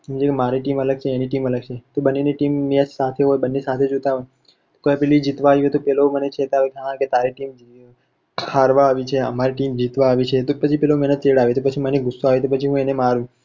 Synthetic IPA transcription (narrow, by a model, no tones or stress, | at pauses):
ɦũd͡ʒekemaɾiʈimələɡ̚t͡ʃʰeːniʈimələɡ̚t͡ʃʰet̪obənːeniʈimːead͡ʒsat̪ʰeɦojbənːesat̪ʰed͡ʒot̪aɦoj | t̪okojapɛlid͡ʒit̪ʋaiʋet̪opɛlomənet͡ʃʰet̪aʋekãket̪aɾiʈim | kʰaɾʋaːʋit͡ʃʰeə̰maɾiʈimd͡ʒit̪ʋaːʋit͡ʃʰet̪opət͡ʃʰipɛlomɛnət̪t͡ʃeɽaʋet̪opət͡ʃʰiməniɡʊsːoaʋet̪opət͡ʃʰiɦũenemaɾũ